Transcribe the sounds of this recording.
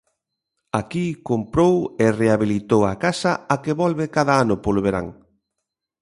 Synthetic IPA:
akikompɾowereaβilit̪owakasɐakeβɔlβɪkaðaanʊpoloβeɾa̰ŋ

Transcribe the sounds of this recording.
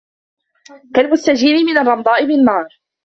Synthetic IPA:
kalbʊsːad͡ʒiːlɪmɪnɑrˤːɑmɑd̪ˤɑːʔɪbɪnmɑːɾˤ

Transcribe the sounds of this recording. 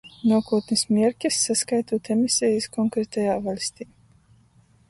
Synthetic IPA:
nuɔkuːt̪nismʲiɛɾkʲɐsːaskajt̪uːt̪ɛmisʲɛjiskɔŋkɾɛt̪ajaːvalʲsʲt̪ʲiː

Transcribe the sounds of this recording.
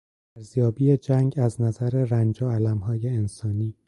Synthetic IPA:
æɾzjɒːbiːed͡ʒæŋɟæznæzæɾe̞ɾænd͡ʒoælæmɦɒːje̞ensɒːniː

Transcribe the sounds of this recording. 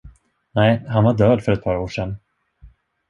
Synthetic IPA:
nɛɪɦanvaɖœːd̪fœɾɛt̪̚pʰɑːɾoːʂɛn

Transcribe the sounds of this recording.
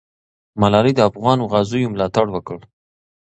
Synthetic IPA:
malɑɾid̪əafɣɑnoɣɑzujomlɑt̪aɽwəkəɽ

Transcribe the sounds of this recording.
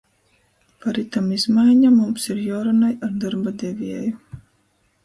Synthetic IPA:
paɾit̪amizmajɲamumsiɾjaːɾanajaɾd̪aɾbad̪ɛvʲiɛju

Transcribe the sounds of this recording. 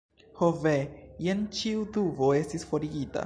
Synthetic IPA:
hovejent͡ʃiuduvoe̞stisfo̞ɾiɡita̰

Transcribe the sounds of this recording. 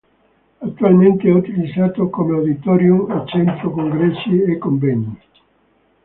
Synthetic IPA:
att̪ːualmẽnt̪eɛut̪ilizat̪okomeawd̪it̪ɔɾjumat͡ʃɛnt̪ɾokoŋɡɾɛsiekoɱvɛɲi

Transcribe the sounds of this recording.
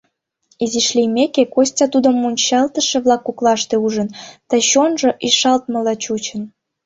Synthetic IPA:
iziʃlʲijmekekosʲtʲɑt̪ud̪ə̆mːunʲt͡ɕɑlt̪ə̆ʃĕβlɑkːuklɑʃt̪euʒənt̪ə̆ɕonʒɤ̆ʔiʃɑlt̪mə̆lɑt͡ɕut͡ɕə̆n

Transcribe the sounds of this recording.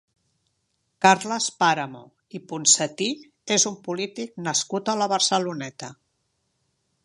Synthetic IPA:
kaɾləspaɾəmo̰ | ipunsət̪i | ezumpulit̪ik̚nəskut̪ələβəɾsəlunɛt̪ə

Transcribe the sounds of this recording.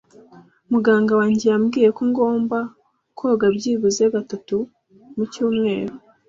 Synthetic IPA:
muɡaːŋɡawaːɲɟejamɡiːje̞kuŋɡo̞ːmba | kʰoɡabɟiːβuzeβatatu | mucuːmŋe̞̰ːɾu

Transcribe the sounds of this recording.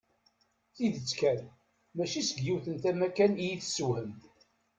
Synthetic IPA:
θiðət͡sːkæn | mæʃisəɡjiwθənt̪æmækænijiθsuwhəm

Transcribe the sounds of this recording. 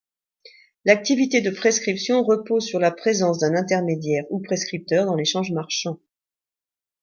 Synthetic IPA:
lak̚t̪ivit̪ed̪əpχeskχipsjɔ̃ʁəpozsyʁlapχezɑ̃s̬d̪ɛ̃nɛ̃t̪ɛʁmed̪jɛʁupχeskχip̚t̪œʁd̪ɑ̃leʃɑ̃ʒmaʁʃɑ̃

